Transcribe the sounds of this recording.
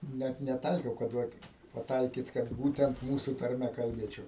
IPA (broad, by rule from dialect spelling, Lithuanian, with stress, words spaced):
ˈnʲæt nʲɛˈtɐɪkʲɛʊ kɐt ˈʋɐt pɐˈtɐɪkʲiːt kɐt ˈbuːtʲɛnt ˈmuːsʊ tɐrʲˈmʲɛ kɐlʲˈbʲeːt͡ʃʲɛʊ